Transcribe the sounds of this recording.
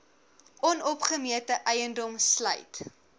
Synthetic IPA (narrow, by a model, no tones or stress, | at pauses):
ʔɔnɔpχəmiətəʔɛjəndɔmslə̰jt